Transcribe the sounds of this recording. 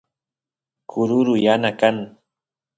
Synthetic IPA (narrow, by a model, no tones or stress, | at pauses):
kʰʊɾʊɾʊjanakaŋ